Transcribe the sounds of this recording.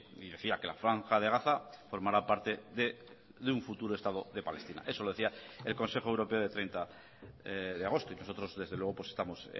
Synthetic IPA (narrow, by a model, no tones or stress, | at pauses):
iðe̞θiake̞lafɾaŋxaðe̞ɣaθafo̞ɾmaɾapaɾt̪e̞ðe | ðeuɱfut̪uɾoe̞st̪að̞o̞ðe̞pale̞st̪ina̰ʔe̞so̞loð̞e̞θiae̞lko̞nse̞xo̞ewɾo̞peoðet̪ɾejnt̪a | ðeaɣ̞o̞st̪oino̞so̞t̪ɾo̞zðe̞zðelwe̞ɣ̞o̞pwo̞sest̪amo̞s